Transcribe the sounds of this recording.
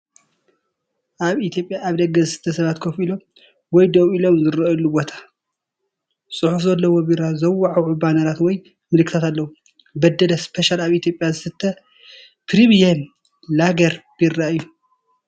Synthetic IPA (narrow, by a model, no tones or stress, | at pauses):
ʔaβit̪ʰjo̞pʼjaːβd̪ɐɡːɐzɨsɨ̥t̪ʰːɐsɐβat̪kʰɐfilom | wɔjd̪owilomzɨɾlːubot̪ʰḁ | sʼɨħufzɐlːɐwobiɾazɐwaʕawʕubanɐɾat̪wɔj | mɨlɨkʰːɨt̪ʰat̪alːɐwu | bɐd̪ɐlɐspʰeʃalaβit̪jopʼjazɨsɨt̪ʰːɐ | pɾimijɐm | laɡɐɾb̥irːaɨjːu